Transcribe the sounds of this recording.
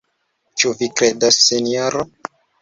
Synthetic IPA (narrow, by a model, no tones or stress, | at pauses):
t͡ʃuvikɾedasːenioɾo